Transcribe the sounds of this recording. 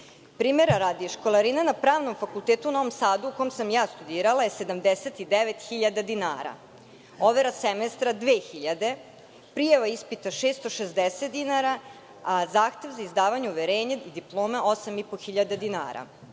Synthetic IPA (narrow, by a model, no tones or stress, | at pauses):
pɾiːmeɾaɾad̪ieʃkolˠaɾinanapɾaːʋnomfakulˠt̪eːt̪uuno̞ʋo̞msaːd̪uuko̞jmsamjaːst̪ud̪iːɾalajese̞d̪amd̪eset̪id̪eʋet̪xiʎad̪ad̪inaːɾa̰ | oʋeɾasemest̪ɾad̪ʋeːxiʎad̪e̞ | pɾijaʋaispit̪aʃest̪oʃezd̪eset̪̚d̪inaɾa | azaːxt̪e̞ʋzaizd̪aːʋaɲeuʋeɾeːɲeid̪iplˠo̞ːmaʔo̞samipoxiʎad̪ad̪ina̰ːɾa̰